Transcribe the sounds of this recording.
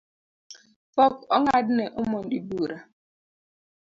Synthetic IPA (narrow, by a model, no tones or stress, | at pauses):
fɔkɔŋadɪneʔʊmɔn̩dibuːɾa